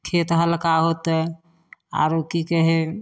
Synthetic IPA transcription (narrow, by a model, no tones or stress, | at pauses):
kʰet̪ɦələkaɦot̪ | a̰ɾokikəɦe